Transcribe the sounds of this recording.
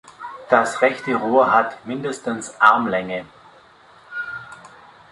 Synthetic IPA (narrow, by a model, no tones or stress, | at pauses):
d̥asʁɛçtəʁuːɐɦatmɪndəstənsʔaɐmlɛŋə